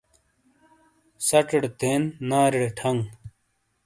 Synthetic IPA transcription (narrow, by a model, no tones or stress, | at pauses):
sɐʈ͡ʂɐɽt̪eːnːaːɾiɽeʈʰɐŋɡ